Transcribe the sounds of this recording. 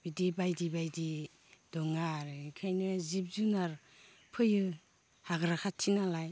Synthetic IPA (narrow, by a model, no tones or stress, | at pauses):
bidibajdibajdi | d̥ɔŋaɾɯkʰajnɯzip̚zunaɾ | pʰɯjɯ | haɡɾakʰatʰinalaj